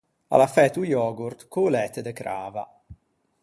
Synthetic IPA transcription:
a̰lafɛt̪ujɔːɡuɾt̪kulɛt̪ed̪əkɾa̰ːva̰

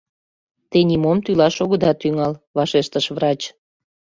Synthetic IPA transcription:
t̪enʲimomt̪ylɑʃoɣəd̪ɑt̪ːyŋɑlβɑʃeʃt̪əʃvrɑt͡ɕ

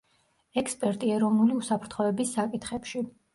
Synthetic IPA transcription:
ɛkʰspʼɛɾt̪ʼiɛɾɔvnuliusapʰɾt̪ʰχɔɛbisːakʼit̪χɛpʃi

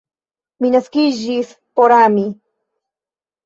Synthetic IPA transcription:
minaskiʒis | poɾami

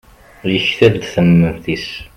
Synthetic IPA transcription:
ləçθæɾd̪θəmːənθis

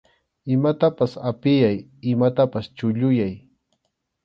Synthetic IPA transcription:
ɪmat̪apasapɪjaj | ɪmat̪apast͡ʃʊʎʊjaj

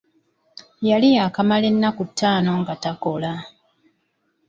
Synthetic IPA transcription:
jalijakamale̞nːakutːaːno̞ŋɡatako̞la

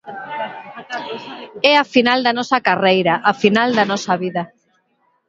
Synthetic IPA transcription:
ɛafinald̪ɐnɔsɐkarejɾaʔafinald̪ɐnɔsɐβiðɐ

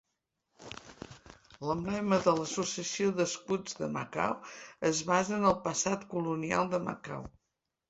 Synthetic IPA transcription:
ləmblɛməðələsusiəsioðəskud͡zðəməka̰wəzβazəːnəlˠpəsat̪kulunia̰lˠd̪əmə̰ka̰w

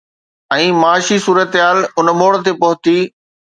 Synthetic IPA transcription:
ɛ̃ːmaːʃisuːɾət̪ɦaːlʊnmoːɽ̆t̪epɐɦʊt̪iː

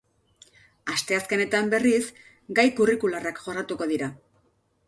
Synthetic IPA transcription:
ast̪e̞aske̞ne̞t̪ambe̞ris | ɡajkurikularakʝo̞rat̪uko̞ðiɾa

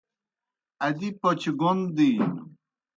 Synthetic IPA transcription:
ad̪ipot͡ɕɡond̪i

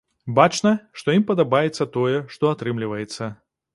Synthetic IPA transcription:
bat͡ʂnɐʂt̪ɔimpɐd̪abajɛt̪sːɐt̪ɔjɛʂt̪ɔat̪ɾɨmlʲivɐjɛt̪sːɐ

